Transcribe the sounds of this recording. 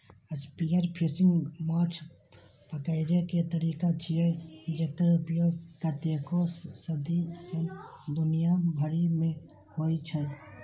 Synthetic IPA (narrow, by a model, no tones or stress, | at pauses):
əspijəɾpʰisɪ̃ŋɡmaːt͡ʃʰ | pəkəɪɾeket̪əɾiːkat͡ʃʰied͡ʒekəɾʊpjoːɡ̚kat̪ekossəd̪isənd̪ʊnijabʱəɾimẽ | hoːit͡ʃʰɛ